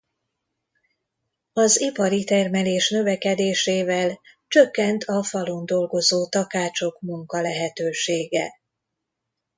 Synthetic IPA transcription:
ɒzipɒɾit̪ɛrmɛleːʃnø̞vɛkɛd̪eːʃeːvɛl | t͡ʃø̞kːɛnt̪ʰɒfɒlond̪o̞lɡo̞zoːt̪ɒkaːt͡ʃo̞kmuŋkɒlɛɦɛt̪øːʃeːɡɛ̰

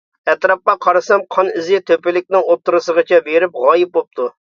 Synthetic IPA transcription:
ɛt̪ɾɑp̚qɑqʰɑɾɨsɑmqʰɑnɪzɪt̪ʰøpɪlɪk̚ʲnɪŋot̪ʰːɨɾɨsəʁət͡ʃʰɛbeɾɪp̚ʁɑːjɪp̚bop̚t̪ʰu

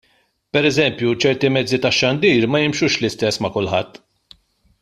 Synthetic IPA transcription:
pɛɾɛzɛmpjut͡ʃɛɾt̪imɛd͡zːit̪ɐʃːɐnd̪iːɾmɐjɪmʃuːʃlɪst̪ɛsːmɐkʊlħɐt̪ː

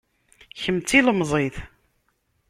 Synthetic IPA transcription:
çəmt͡s̪ːiləmzˤiθ

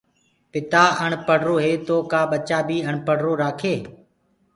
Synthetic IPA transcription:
pɪt̪aːəɳpəɽɾoːɦeːt̪oːkaːɓət͡ʃaːbiːəɳpəɽɾoːɾaːkʰeː

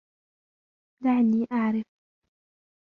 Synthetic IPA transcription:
laʕanːiːʔaʕɾɪf

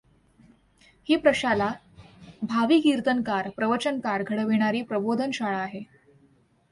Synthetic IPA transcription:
hiːpɾəɕala | bʱaʋiːkiɾt̪ənkaɾpɾəʋət͡ɕənkaɾɡʱəɽəʋeɽ̃aɾiːpɾəbod̪ʱənɕaɭaːɦe

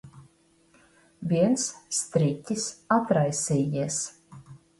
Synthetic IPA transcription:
vʲiɛnsst̪ɾit̪ʲːisat̪ɾajsʲiːjiɛs

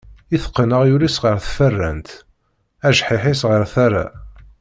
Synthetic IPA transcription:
iθə̥qːənəʁjulisʁəɾθfərːæ̰nt̪ | æʒħɪħɪsʁəɾθaɾˤa̰

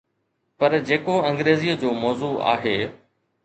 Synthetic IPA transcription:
pɐɾd͡ʑeːkoɐ̃ŋɡɾeːziːəd͡ʑoːmɔːzuːa̰ːɦeː

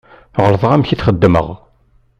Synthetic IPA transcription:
ʁələðˤʁæmçiθχəd̪ːmə̰ʁ

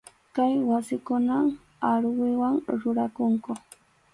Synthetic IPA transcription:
kajwasɪkʊnaŋ | aɾwɪwaŋɾʊɾakʊŋko

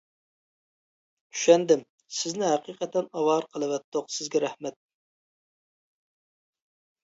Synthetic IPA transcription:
y̥ʃɛnd̪ɪm | sɪznɪɦæqiqʰɛt̪ɛnɑwɑɾqʰəlˠɨwɛt̪ːoqsɪzɡʲɛɾɛhmɛt̪̚

